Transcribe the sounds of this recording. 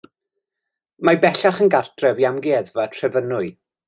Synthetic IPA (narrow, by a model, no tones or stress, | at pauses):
mabɛɬaχənɡartʰrɛvjamɡɛðvatʰrɛvənʊɨ